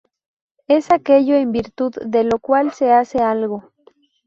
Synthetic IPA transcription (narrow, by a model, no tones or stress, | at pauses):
e̞sakeʎoembiɾt̪uðːelokwalse̞asealɣo